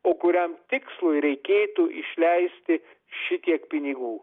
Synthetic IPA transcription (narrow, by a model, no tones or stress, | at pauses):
oːkʊɾʲɛmt̪ʲɪkslˠʊjɾʲɛɪkʲeːt̪uʔɪʃʲlʲɛɪsʲt̪ʲɪ | ʃʲɪt̪ʲiɛkpʲɪnʲɪɡuː